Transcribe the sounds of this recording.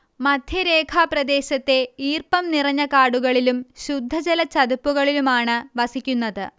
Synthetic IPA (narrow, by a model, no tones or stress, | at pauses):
mɐd̪ʱjɐɾe̞ːkʰaːprɐd̪e̞ːɕɐt̪ːe̞iːrpɐmnirɐɲːɐkaːɽuɣɐɭilumɕud̪ʱːɐd͡ʑɐlɐt͡ɕɐd̪upːuɣɐɭilumaːɳɨʋɐsikʲːunːɐðɨ̰